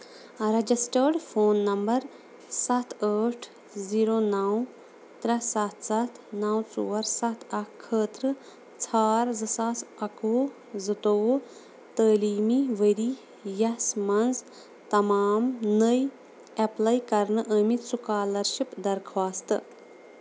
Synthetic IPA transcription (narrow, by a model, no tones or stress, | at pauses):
ɾɐd͡ʒisʈəːɾɖfʰoːnːɐmbɐɾ | sɐt̪ʰəːʈʰ | ziːɾoːnɐw | t̪ɾɐsɐt̪ʰsɐt̪ʰnɐwt͡suːɐɾsɐt̪ʰɐkʰːəːt̪ɾɨ | t͡sʰaːɾzɨsaːsɐkoː | zɨt̪oː | t̪əːliːmiʋəɾi | jɐsmɐnz | t̪ɐmaːmnəj | ɐplɐjkɐɾnɨʔəːmisukaːlɐɾʃipd̪ɐɾkʰʋaːst̪ɨ